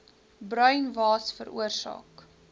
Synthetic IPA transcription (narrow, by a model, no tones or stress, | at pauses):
brœɥnvɑːsfəɾʔṵərsɑ̰ːk